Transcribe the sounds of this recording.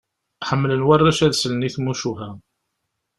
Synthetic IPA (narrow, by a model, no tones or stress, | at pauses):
ħəmːlənwarˤːæʃæðsələniθmuʃuɦæ